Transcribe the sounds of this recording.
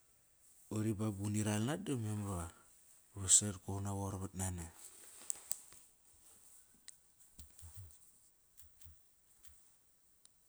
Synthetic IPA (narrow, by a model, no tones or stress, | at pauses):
oɾibabuniɾalnat̚domemβa | βasetkohnawoɾβat̚nana